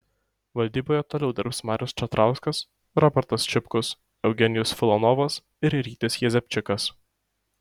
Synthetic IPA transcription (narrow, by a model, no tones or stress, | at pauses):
ʋɐlʲd̪ʲiːboːjɛt̪oːlʲɛʊd̪ʲɪɾpsmɑːɾʲʊst͡ʃʲɛt̪ɾʔɑˑʊskɐs | ɾɔbʲɛɾt̪ɐst͡ʃʲɪpkʊs | ɛʊɡʲɛnʲɪjʊsfʲɪlˠɔnɔʋɐs | ɪɾɾʲiːt̪ʲɪsjɛzʲɛpʲt͡ʃʲɪkɐs